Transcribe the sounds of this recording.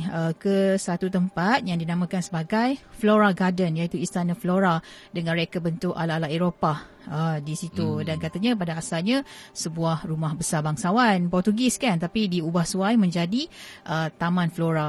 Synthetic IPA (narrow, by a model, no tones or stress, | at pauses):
əkəsat̪ut̪əmpat̪̚jaŋdinãmãkansəbaɡajfloɾaɡadənjait̪uist̪anãfloɾadəŋãnɾekabənt̪ʊka̰laːlaeɾopa | ədisit̪udankat̪aɲãp̬adaːsalɲãsəbuahrumahbəsabaŋsawanpɔrt̪uɡɪskant̪apidiubahsuajmə̃ɲd͡ʒadiʔət̪amãnfloɾa